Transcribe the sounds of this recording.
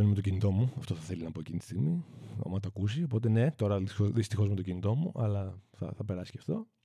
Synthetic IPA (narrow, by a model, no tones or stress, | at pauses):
onime̞t̪o̞cinit̪o̞muɐft̪o̞θɐθe̞liznɐpo̞ecinit̪ist̪iɣmio̰mɐt̪oɐkusiopo̞t̪̬e̞ne̞t̪o̞ɾɐðioðist̪ixo̞zmt̪ocinit̪o̞muʔɐ̰lɐθɐ̰θɐpeɾɐsi̥cɐft̪o̞